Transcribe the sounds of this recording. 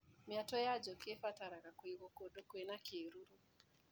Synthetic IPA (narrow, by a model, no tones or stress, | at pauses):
mɪatɔjad͡ʒɔkefataɾaɣakwiɣokodokwenakeɾuɾu